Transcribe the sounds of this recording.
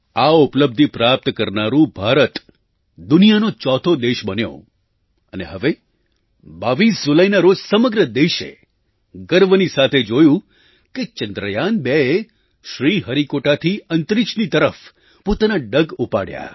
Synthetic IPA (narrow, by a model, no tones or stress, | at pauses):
aʊpləb̚d̪ʱipɾap̚t̪kəɾnaɾũbʱaɾət̪ | d̪ʊnijanot͡ʃɔt̪ʰod̪eʃbənjo̰ | əneɦəʋe | baʋisd͡ʒuləjnaɾod͡ʒsəməɡɾəd̪eʃḛ | ɡəɾʋənisat̪ʰed͡ʒojũ | ket͡ʃənd̪ɾəjanbee | ʃɾiɦəɾikoʈat̪ʰiənt̪ɾit͡ʃnit̪əɾəf | pot̪anaɖəɡupa̰ɽja̰